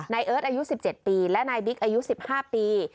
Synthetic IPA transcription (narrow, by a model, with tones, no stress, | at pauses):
na˧jʔɤː˦˥t̪̚ʔa˧ju˦˥si˨˩p̚t͡ɕe˨˩t̪̚piː˧lɛ˦˥naː˧jbi˦˥k̚ʔa˧ju˦˥si˨˩p̚haː˥˩piː˧